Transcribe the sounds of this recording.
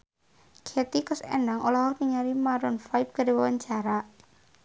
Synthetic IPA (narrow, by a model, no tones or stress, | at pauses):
kʰet̪ikɔsɛ̰naŋolɔɦɔniŋaɾimaɾɔnfajp̚kadewawaɲt͡ʃaɾa